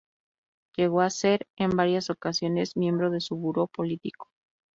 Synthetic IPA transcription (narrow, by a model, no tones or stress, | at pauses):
ʝe̞ɣo̞ase̞ɾembaɾjaso̞kasjo̞ne̞zmjẽ̞mbɾo̞ðe̞suβuɾo̞po̞lit̪iko̥